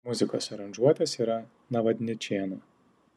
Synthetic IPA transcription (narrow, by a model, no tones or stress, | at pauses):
mʊzʲɪko̰ːsɐɾɐnʲʒuɔt̪ʲeːsiːɾɐ | nɐʋɐd̪ʲnʲɪt͡ʃʲeːnoː